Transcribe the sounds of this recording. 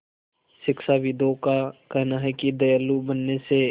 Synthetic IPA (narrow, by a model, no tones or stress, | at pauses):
ʃɪkʃaʋid̪õkakɐɦnaɦɛkid̪ɐjalːubənːese